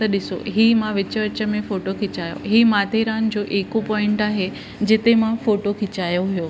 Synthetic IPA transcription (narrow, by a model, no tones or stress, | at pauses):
t̪ɐɗɪso̰ɦiːmãʋɪt͡ɕəʋət͡ɕə̆mẽfoːʈokʰɪt͡ɕaːjo̰ɦiːmaːt̪eɾaːnd͡ʑoːʔeːkopɔːɪ̃ɳʈaːɦe | d͡ʑɪt̪emãfoːʈokʰɪt͡ɕaːjoɦijoː